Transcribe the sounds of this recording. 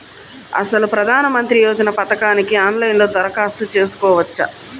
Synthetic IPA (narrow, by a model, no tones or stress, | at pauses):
ɐ̰sɐlupɾɐd̪ʱaːnɐmɐnt̪ɾijɔːd͡ʒɐnɐpɐt̪ɐkaːnikiaːnlɐjnlo̞ːd̪ɐɾɐkaːst̪ut͡ʃe̞ːsu̥kɔːʋɐt͡ʃːɐ̰